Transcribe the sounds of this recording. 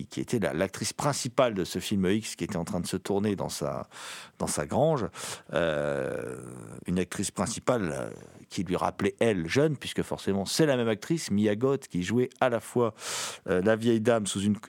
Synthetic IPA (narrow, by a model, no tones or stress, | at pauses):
kʲʰiḛt̪ɛla̰lak̚t̪χispχɛ̃sipald̪əsəfilmikskʲiet̪ɛɑ̃t̪χɛ̃d̪əsət̪uʁned̪ɑ̰̃sa̰d̪̥ɑ̃saɡʁɑ̃ʒø̰ | ynak̚t̪χispχɛ̃si̥pal̰kʲʰilɥiʁa̰plɛʔɛlʒœnpɥiskəfɔ̰ʁsemɑ̃sɛlamɛmak̚t̪χismiaɡɔt̪kʲiʒuɛalafwaølavjɛjd̪amsuzyn